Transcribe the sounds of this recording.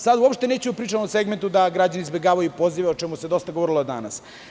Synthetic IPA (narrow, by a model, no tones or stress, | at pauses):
sad̪uopʃt̪e̞neːt͡ɕeupɾiːt͡ʂamoseɡment̪ud̪aɡɾad͡ʑanizbe̞ɡaːʋajupoziʋeot͡ʃemused̪o̞st̪aɡooɾilod̪a̰na̰s